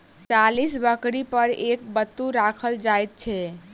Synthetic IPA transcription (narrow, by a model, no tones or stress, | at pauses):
t͡ʃalisbəkɾipəɾek̚bət̪ːuɾakʰəld͡ʒajt̪̚t͡ʃʰɛ